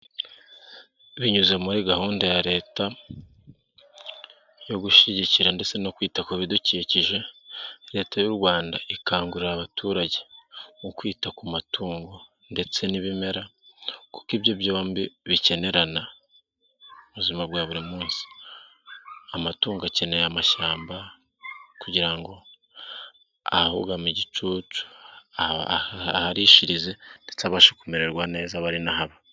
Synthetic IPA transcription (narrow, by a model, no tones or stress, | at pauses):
βiɲuzamuɾiɡahuːndajaɾe̞ːta | jo̞ɡuʃiɟiciɾande̞t͡se̞nokwiːtakuβiduciːciʒe̞ɾe̞ːtajuɾɡwaːndaikaːŋɡuɾiɾaβatʰuːɾaɟe̞ŋukwiːtakumatʰuːŋɡo̞ | nde̞t͡se̞niβime̞ɾaku̥kibjobjoːmbiβice̞ne̞ɾana | uβuzimaβɡaːβuɾimuːnsi̥ | amatuːŋɡace̞ne̞jamaʃaːmba | kuɟiɾaŋɡo̞ | a̰hahṵɡamiɟit͡ʃuːt͡ʃu̥a | haɾiʃiɾize̞nde̞t͡saβaʃakume̞ɾe̞ɾɡwane̞ːzaβaɾinahaβa